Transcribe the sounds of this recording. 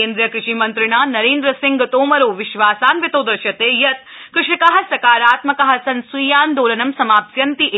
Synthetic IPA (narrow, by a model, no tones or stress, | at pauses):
eːnd̪ɾijɐkɾɪʂiːmɐnt̪ɾɪɳ̃aːnɐɾeːnd̪ɾɐsɪ̃ŋɡt̪oːmɐɾoːʋɪʃʋaːsaːnʋit̪oːd̪ɐɾʃjɐt̪eːjɐt̪̚ | kɾɪʂikɐɦɐsɐkaːɾaːt̪mɐkɐɦɐsɐnsujaːnd̪oːlɐnɐmsɐmaːpsjɐnt̪iʔ